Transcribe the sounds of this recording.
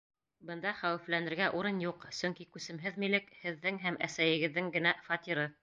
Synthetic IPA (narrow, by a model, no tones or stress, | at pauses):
bɤ̆nd̪ɑχæwɘ̆flænɘ̆ɾɡæʔuɾɤnjuqsɵŋkikʉsɘ̆mɦɘðmilɘkhɘ̆ðːɘŋɦæmæsæjɘ̆ɡɘ̆ðːɘŋɡɘ̆næfɑt̪ʲiɾɤ